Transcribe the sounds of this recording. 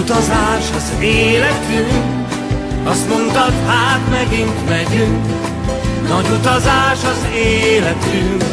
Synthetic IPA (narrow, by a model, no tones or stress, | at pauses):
ut̪ɒzaːʃɒzeːlɛt̪yŋk | ɒst̪mo̞nt̪ɒt̪haːt̪mɛɡiŋk̪mɛɟyŋk | nɒɟut̪ɒzaːʃɒzeːlɛt̪yŋk